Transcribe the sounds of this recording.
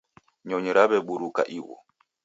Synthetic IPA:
ɲɔɲɔɾaβɛɓuɾuka̰ʔiwɔ̰

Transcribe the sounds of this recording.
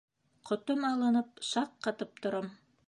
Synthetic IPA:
qŏt̪ɤmɑlˠɤ̆nɤp̚ʃɑqːɑt̪ɤp̚t̪ŏɾɤm

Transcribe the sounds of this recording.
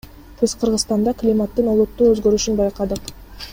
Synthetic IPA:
k̪ʰezqʰəɾʁəzst̪ɑnd̪ɑklʲimat̪ːɯnolˠut̪ːuːøzɡø̞ɾyʃynbɑjqɑd̪ɯq

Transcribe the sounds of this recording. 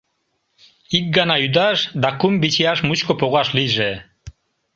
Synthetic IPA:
ik̚ɡɑnɑyd̪ɑʃd̪ɑkumbit͡ɕiɑʃmut͡ɕkopoɣɑʃliʒe

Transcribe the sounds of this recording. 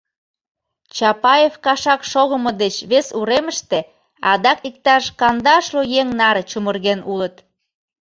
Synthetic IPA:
t͡ɕɑpɑjefkɑʃɑkʃoɣəmod̪et͡ɕβesuɾeməʃt̪e | ɑd̪ɑkik̚t̪ɑʃkɑnd̪ɑʃlojeŋnɑɾet͡ɕumərɣenulət̪

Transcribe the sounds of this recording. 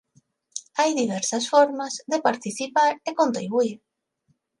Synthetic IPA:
ajðiβ̞ɛɾsɐsfɔɾmazðepaɾt̪iθipaɾekont̪ɾiβuiɾ

